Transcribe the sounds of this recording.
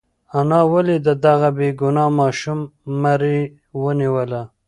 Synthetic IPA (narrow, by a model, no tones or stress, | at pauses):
anɑwaled̪əd̪aɣabeɡʊnɑmɑːʃumːaɾi | wəniwəla